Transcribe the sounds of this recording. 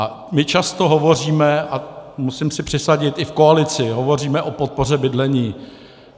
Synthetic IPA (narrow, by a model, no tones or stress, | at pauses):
ʔa | mɪt͡ʃast̪o̞ɦo̞vo̞riːmɛamusimsɪpr̥ɪsaɟɪt̪ɪfkoalɪt͡sɪɦo̞vo̞riːmɛʔo̞pot̪̚po̞r̝ɛbɪdlɛɲiː